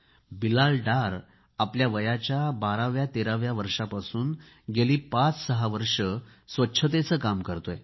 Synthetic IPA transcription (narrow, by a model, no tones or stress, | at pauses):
bilalɖaɾ | apljaʋəjat͡ɕjabaɾaʋjat̪eɾaʋjaʋəɾʂapasuːn | ɡeliːpat͡ssəɦaʋəɾʂə | sʋətːɕʰət̪̬et͡səːkamkəɾt̪oj